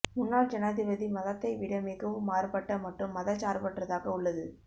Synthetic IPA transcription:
mʊnːaːɭd͡ʒɐnaːðɪʋɐðimɐðɐt̪ːɐɪʋɪɽɐmɪɣɐʋɯmːaːɾɯpɐʈːɐmɐʈrɯmːɐðɐt͡ʃaːɾpɐʈrɐðaːɣɐʊɭːɐðɯ

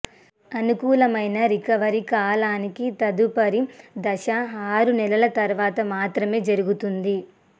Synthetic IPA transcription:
ɐnukuːlɐmɐjnɐɾikɐʋɐɾikaːlaːnikit̪ɐd̪upɐɾid̪ɐʃɐaːɾunɛlɐlɐt̪ɐɾʋaːt̪ɐmaːt̪ɾɐme̞ːd͡ʒɐɾuɡut̪und̪i

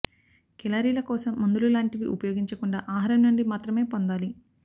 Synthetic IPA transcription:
kɛlaːɾiːlɐkɔːsɐmːɐnd̪ululaːɳʈiʋḭʔṵpɐjoːɡiɲt͡ʃɐkuɳɖa̰ːʔaːɦɐɾɐmnuɳɖimaːt̪ɾɐme̞ːpond̪aːli

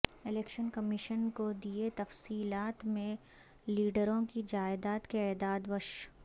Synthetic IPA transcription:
ɪleːkʃənkɐmɪʃənkod̪iet̪ɐfsiːlaːt̪mẽ | liːɖəɾõkid͡ʒaːɪd̪aːt̪keɛːd̪aːd̪ʋɐʃ

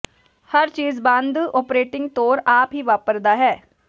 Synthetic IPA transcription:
həɾt͡ʃiːzbãːnd̪ɔːpɾeːʈɪ̃ŋɡt̪oːɾaːpɦiːʋaːpəɾd̪aːɦɛː

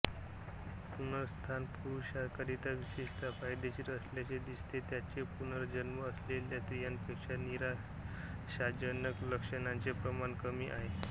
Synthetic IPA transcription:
pun̤əɾst̪ʰanpuɾuɕakaɾit̪aʋiɕeʂt̪ʰafajd̪et͡ɕiːɾəsljat͡ɕed̪ist̪ʰet̪jat͡ɕepunəɾd͡ʑənməːsleljat̪ɾijanpekɕaniɾa | ɕad͡ʑənəkləkʂənant͡sepɾəmankəmiːʔaɦe

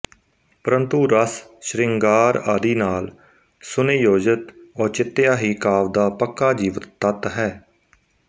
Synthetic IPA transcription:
pəɾənt̪uːɾəsʃɾɪŋɡaːɾaːd̪iːnaːl | sʊneːjoːd͡ʒət̪ɔːt͡ʃɪt̪ːɪjaːɦiːkaːʋd̪aːpəkːaːd͡ʒiːʋət̪t̪ət̪ɦɛː

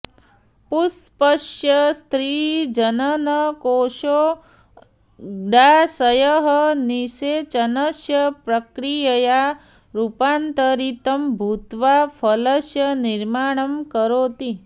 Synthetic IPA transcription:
puspɐʃjɐst̪ɾid͡ʒɐnɐnɐkoːʃoː | ɖasɐjɐɦɐniʃet͡ʃɐnɐsjɐpɾɐkɾijɐja | ɾupaːnt̪ɐɾit̪ɐmbʱut̪ʋafʰɐlɐsjɐniɾmaːɳ̃ɐmkɐɾoːt̪i

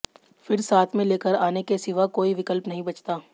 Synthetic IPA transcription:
fɪɾsaːt̪ʰmẽleːkəɾaːnekesɪʋakoːiʋɪkəlpnɐɦĩbɐt͡ʃt̪aː

